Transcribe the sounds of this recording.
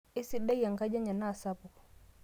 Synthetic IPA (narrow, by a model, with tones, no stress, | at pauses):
i˦si˦ɗa˦ja˨ŋka˦d͡ʒa˦ɲa˨na˦˨sa˦pu˨